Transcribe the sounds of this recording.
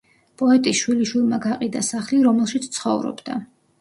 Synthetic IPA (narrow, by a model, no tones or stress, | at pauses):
pʼɔɛt̪ʼiʃwiliʃwilˠmaɡaqʼid̪asaχliɾɔmɛlˠʃit̪sʰt̪sʰχɔ̰vɾɔ̰bd̪a̰